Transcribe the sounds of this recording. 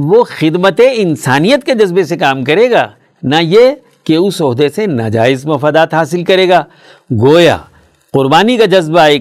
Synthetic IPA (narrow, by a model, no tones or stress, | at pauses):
ʋoxɪd̪mət̪eɪnsaːnijət̪ked͡ʒɐzbesekaːmkɐɾeːɡaː | naje | keʊsɔɦd̪esenɐ̰d͡ʒa̰ːɪzmɐfaːd̪aːt̪ɦaːsɪlkɐɾeːɡaː | ɡoːja̰ː | qʊɾbaːnikad͡ʒɐzbaeː